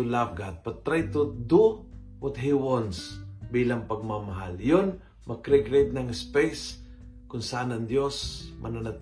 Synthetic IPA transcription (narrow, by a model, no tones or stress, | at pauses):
ulavɡat̪̚bɐt̪ɾajt̪ud̪u | wɔt̪̚ɦiwɔ̃nsbiːlɐŋpɐɡ̚mamɐɦa̰ljon | mɐkɾɛɡɾejt̪̚nɐŋɪspejs | kʊnsɐʔanɐŋd̪josmʔɐnanɐt̪